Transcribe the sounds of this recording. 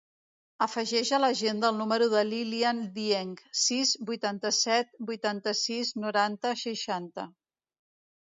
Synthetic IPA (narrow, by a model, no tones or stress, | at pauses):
əfəʒɛʒələʒend̪əlˠnuməɾuðəliliand̪ieŋksizbujt̪ant̪əsɛt̪̚bujt̪ant̪əsiznuɾant̪əʃəʃant̪ə